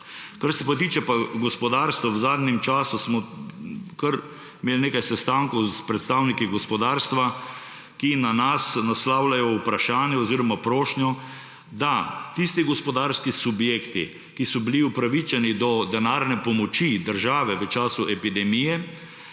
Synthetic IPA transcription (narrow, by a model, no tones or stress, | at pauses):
kaɾsɛpat̪iːt͡ʃɛpaɡɔspɔd̪aːɾst̪ʋɔwzaːd̪nɛmt͡ʃaːsusmɔ | kəɾ | imeːlneːkajsɛst̪aːŋkɔwspɾɛt̪st̪awnikiɡɔspɔd̪aːɾst̪ʋa | kinanasnaslaːwlajɔupɾaʃaːnjɛɔziːɾɔmapɾoːʃnjɔ | d̪at̪ist̪iɡɔspɔd̪aɾskisubjeːkt̪i | kisɔbiliupɾaʋit͡ʃɛnid̪ɔd̪ɛnaɾnɛpɔmɔt͡ʃid̪əɾʒaːʋɛʋət͡ʃaːsuʔɛpid̪ɛmijɛ